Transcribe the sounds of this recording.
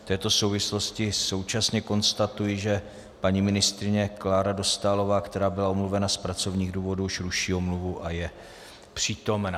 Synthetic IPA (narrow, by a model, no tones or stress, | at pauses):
ft̪ɛːt̪o̞so̞wvɪslo̞scɪso̞wt͡ʃasɲɛko̞nst̪at̪ujɪʒɛ | paɲimɪnɪst̪ɾɪɲɛklaːɾado̞st̪aːlo̞vaːkt̪ɛɾaːbɪlaomluvɛnaspɾat͡so̞vɲiːɣduːvo̞duʃɾuʃiːomluvuʔajɛ | pr̝̥iːt̪o̞mnaː